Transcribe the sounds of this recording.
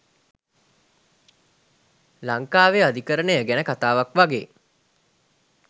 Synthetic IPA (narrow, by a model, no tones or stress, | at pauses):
laŋkaːʋead̪ikəɾənejəɡænəkat̪aːʋakʋaɡḛː